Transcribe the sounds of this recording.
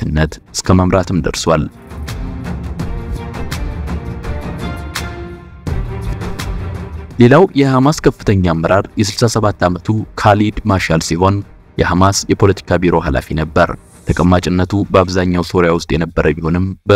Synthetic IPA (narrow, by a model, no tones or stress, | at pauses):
ɨnːət̪ʔɨ̥skʰəməmɾat̪ʰɨmd̪ə̰ɾswal | le̞lawjɛhamaskʰəfːɨt̪ʰəɲːamːəɾaɾjɛs̬ɨlsasəβat̪ʰːamət̪ʰukʰalid̪maʃalsiɦo̞n | jɛhamasjɛpʰo̞lət̪ʰi̥kʰabiɾo̞ɦala̰finəbːəɾ | t̪ʰəkʼəmːat͡ʃʼɪnːət̪ʰubəaβzaɲːawso̞ɾjawʊst̪ʼjɛnəbːəɾʔəbiho̞nɨmbə